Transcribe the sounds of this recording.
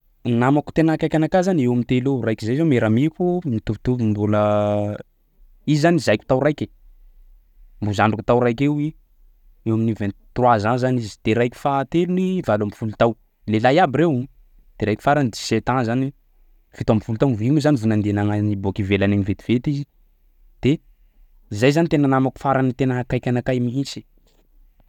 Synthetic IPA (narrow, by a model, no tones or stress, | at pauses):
namaku̥t̪enaakajkʲanakazanewamit̪elewrajkizajzomeɾamikumit̪uvut̪uvimbulə | izzanizajkʲu̥t̪awrajkʲe | mbuzaɳɖ͡ʐukut̪awrajkewi | ewaminivent̪rwazanzanizid̪̥eɾajkʲi̥fat̪elunivalambifulut̪aw | lelajabiɾew | d̪̥eɾajkʲi̥faɾanid̪i̥set̪azani | v̥it̪ambifulut̪awviɲuzanivunand̪enaŋanibokivelaneɲivet̪i̥v̥et̪izi | d̪̥e | zajzanit̪enanamaku̥faɾanit̪enəkajkʲanakajmiisi̥